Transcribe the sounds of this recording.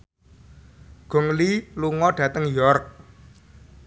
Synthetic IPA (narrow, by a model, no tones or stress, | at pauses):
ɡ̥ɔ̤ŋliluŋɔɖ̥ä̤t̪əŋjɔrk̚